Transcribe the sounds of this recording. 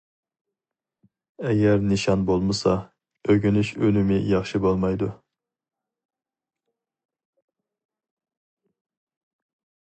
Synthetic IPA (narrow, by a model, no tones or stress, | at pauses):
ɛɡʲɛɾnɨʃɑnbolˠmɨsɑ | øɡʲynyʃønymɪjɑχʃibolˠmɑjd̪u